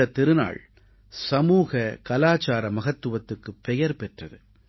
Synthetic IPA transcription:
ɐt̪ːɪɾɯna̰ːɭ | sɐmuːɣɐkɐlaːt͡ʃaːɾɐmɐɣɐt̪ːɯʋɐt̪ːɯkːɯpːɛjɐɾpɛʈrɐðɯ

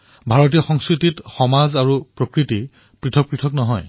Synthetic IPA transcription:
bʱaɹɔt̬ijɔxɔŋskɹititxɔmazaɹupɹokɹiti | pɹitʰɔk̚pɹitʰɔknɔɦɔj

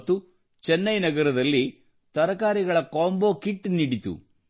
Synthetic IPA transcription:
t̪ːu | t͡ʃɛnːɐjnɐɡɐɾɐd̪ɐlːi | t̪ɐɾɐkaːɾiɡɐɭɐkoːmboːkiʈːniɽit̪ṵ

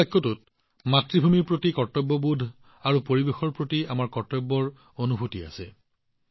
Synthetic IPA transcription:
jkʰːɔtut̚ | matɹibʱumiɹpɹotikɔɹtɔbːɔbudʱ | aɹupoɹibexɔɹpɹotiamaɹkɔɹtɔbːɔɹ | onubʱutia̰sɛ̰

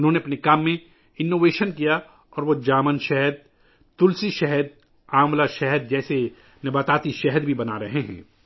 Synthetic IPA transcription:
ʊnɦõːneɐpnekaːmːẽ | ɪnːoːʋeːʃənkija | ɔːɾʋod͡ʒaːmənʃɛɦəd̪̚ | t̪ʊlsiʃɛɦəd̪̚ | aːmlaʃɛɦəd̪̚d͡ʒɛːse | nɐbaːt̪aːt̪iʃɛɦəd̪bʱibɐnaɾɐɦeɦɛ̰̃ː

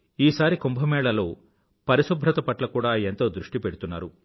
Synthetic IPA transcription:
iːsaːɾikumbʱɐmɛːɭɐlo̞ː | pɐɾisubʱɾɐt̪ɐpɐʈlɐkuːɽaːent̪o̞ːd̪ɾuʂʈipeɽut̪unːa̰ːɾu

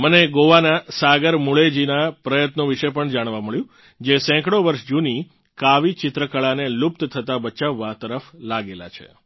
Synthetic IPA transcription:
məneɡoʋanasaɡəɾmuɭed͡ʒinapɾəjət̪nõʋiʃəpəɳd͡ʒaɽ̃ʋaməɭjũ | d͡ʒesɛ̃kɽoʋəɾʃd͡ʒuni | kaʋit͡ʃɪt̪ɾəkəɭanelup̚t̪t̪ʰət̪abət͡ʃaʋːat̪əɾəflaɡela̰t͡ʃʰḛ

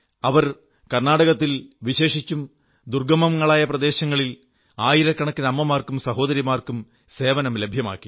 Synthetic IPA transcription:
ɐʋɐr | kɐrnaːɽɐɣɐt̪ːilʋiɕe̞ːʂit͡ɕːum | d̪urɡɐmɐmŋːɐɭaːjɐprɐd̪e̞ːɕɐŋːɐɭil | aːjiɾɐkːɐɳɐkːɨnɐmːɐmaːrkumsɐɦo̞ːd̪ɐɾjimaːrkum | se̞ːʋɐnɐmlebʱjɐma̰ːkːi̥

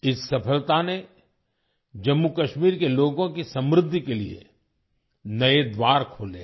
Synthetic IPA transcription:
ɪsːɐpʰəlt̪ane | d͡ʒɐmːukɐʃmiːɾkeloːɡõkisɐ̃mɾɪd̪ʱːikeliḛ | nɐed̪waːɾkʰoːlḛː

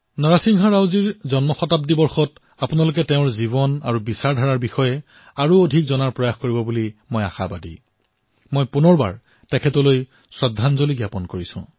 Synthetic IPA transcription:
nɔɹasiŋɦɔɹawziɹzɔnmɔxɔtap̚dibɔɹxɔt | apunalʊkɛteʊ̃ɹziβɔna̰ɹubisaɹdʱaɹaɹbixɔjɛ | aɹuodʱikzɔnaɹpɹɔjaxkoɹibɔbulimoja̰xa̰badḭ | mojpunɔɹba̰ɹ | tɛkʰɛtɔloj | sɹɔdʱːanzoliɡjapɔnkoɹisʊ̰̃

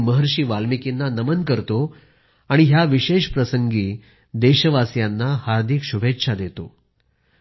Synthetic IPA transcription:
məɦəɾɕiːʋalmikinːanəmənkəɾt̪o | aɽ̃iɦjaʋiɕeɕpɾəsəŋɡiː | d̪eɕəʋasjanːahaɾd̪ʱikɕubʱetːʂʰad̪et̪o̰

